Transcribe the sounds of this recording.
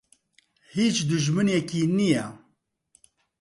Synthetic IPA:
hiːt͡ʃd̪ɨʒmɨnɛkiːnijɛ

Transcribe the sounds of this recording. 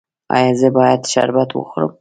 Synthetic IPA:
a̰jɑzəbɑjad̪ʃa̰ɾbat̪wə̰xʊɾə̰m

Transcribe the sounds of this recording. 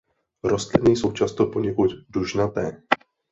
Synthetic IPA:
ɾost̪lɪnijso̞wt͡ʃast̪opoɲɛkut̪duʒnat̪ɛː

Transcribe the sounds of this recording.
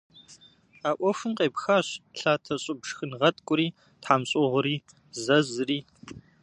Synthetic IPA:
aːʔʷɔfɨnqeːpxaːɕɬaːtʰɐɕʼɪbʐxɨnʁɐtʼkʷʼʊɾiː | tħaːmɕʼɪʁʷʊɾiː | zɐzɨriː

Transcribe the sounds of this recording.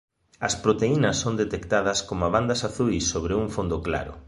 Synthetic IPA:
ɐspɾot̪einɐsːond̪et̪ekt̪aðɐskomaβand̪ɐsaθujsːoβ̞ɾeuŋfond̪oʊkla̰ɾʊ̰

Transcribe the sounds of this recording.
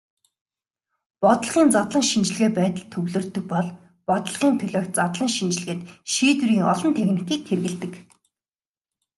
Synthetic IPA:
pɔt̪ɞ̆ɮʁ̥iːnt͡sat̪ɮə̆ŋʃint͡ɕɪ̆ɮɣeːpæːt̪ə̆ɮt̪ʰɵwɮɵ̆ːrt̪ɵ̆k̚pɔɮ | pɔt̪ɞ̆ɮʁiːnt̪ʰɵɮʲɔːkt̪̚t͡sat̪ɮə̆ŋʃint͡ɕɪ̆ɮ̆ɣeːt̪ʃiːt̪wɾiːŋɔɮɞ̆nt̪ʰexnɘ̆kiːk̚t̪ʰerɣɘ̆ɮt̪ɘ̆k

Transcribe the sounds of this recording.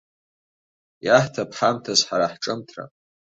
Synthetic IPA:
jaħtʰapʰħamtʰazħaɾaħʈ͡ʂʼɨmtʰra̰

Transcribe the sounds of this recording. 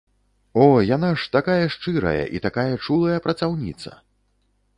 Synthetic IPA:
ɔjanaʂt̪akajɐʂt͡ʂɨɾɐ̰jɐ̰ʔḭt̪akajɐt͡ʂulˠɐjɐpɾɐt̪sawnʲḭt̪sɐ̰

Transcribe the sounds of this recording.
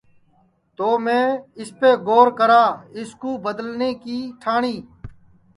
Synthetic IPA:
t̪oːmẽːɪspeːɡoːɾkəɾaːɪskuːbəd̪əlneːkiːʈʰaːɳiː

